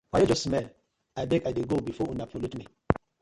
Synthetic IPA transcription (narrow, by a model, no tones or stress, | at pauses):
wajɛd͡ʒɔsmɛl | ajbɛkajdeɡobifɔũnapʰolutmi